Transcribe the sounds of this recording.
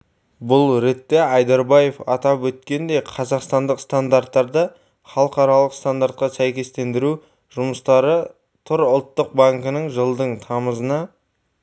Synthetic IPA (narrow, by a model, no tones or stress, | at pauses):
bʊlˠɾe̞t̪ːe̞ɑjd̪ɑɾbaje̞fɑt̪ɑpwɵt̪̚kʲe̞nd̪e̞jqʰɑzɑqst̪ɑnd̪əqst̪and̪aɾt̪ːɑɾd̪ə | χɑlˠəqɑɾɑlˠəqst̪and̪aɾt̪̚qɑsæjkʲe̞st̪e̞nd̪ɪɾu | ʒʊməst̪ɑɾə | t̪ʰʊɾʊlˠt̪ːəq̚baŋkənəɴʒəlˠd̪əɴt̪ʰɑməzənɑ